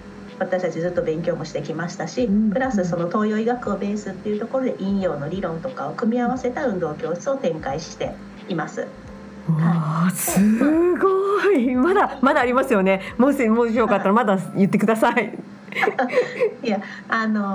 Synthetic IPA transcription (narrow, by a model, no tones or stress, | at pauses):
βat̪aɕi̥t̪at͡ɕizɨt̪ːo̞bẽ̞ŋkʲo̞ːmo̞ɕi̥t̪e̞kʲimaɕi̥t̪aɕipɯ̟ɾasɨso̞no̞t̪o̞ːjo̞iɡakɯ̟o̞be̞ːsɨt̪ːe̞iɯ̟t̪o̞koɾo̞d̪e̞̰ʔĩɰ̃jo̞ːno̞ɾʲiɾõ̞nt̪o̞kaokɯ̟mʲiaβase̞t̪aɯ̟̃nd̪o̞ːkʲo̞̥ːt͡sɨo̞t̪ẽ̞ŋkaiɕi̥t̪e̞̰ | imasɨ̰ | asɨɡoimad̪amad̪aːɾʲimasɨjo̞ne̞moɕimoːɕ̬okat̪ːaɾamad̪ajɯ̟t̪ːe̞kɯ̟d̪asai | ja | ano̞